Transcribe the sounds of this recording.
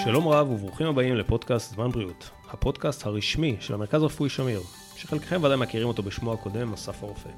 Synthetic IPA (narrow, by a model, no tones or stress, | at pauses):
ʃalo̞mʁavuvʁuχimhabaimlepo̞dkastzmanbʁiut | hapo̞dkasthaʁiʃmiʃelhame̞ʁkazʁefujʃamiʁ | ʃeχelke̥χe̞mvadajmakiʁimo̞t̪o̞beʃmoako̞de̞masafaʁofe̞̰